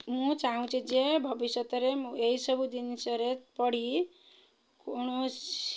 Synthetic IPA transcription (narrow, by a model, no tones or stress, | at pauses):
mũt͡saɦũt͡sʰĩd͡zebʱʌbisjʌt̪ʌɾemueisʌbud̪insʌɾepʌɽ̤i | kunus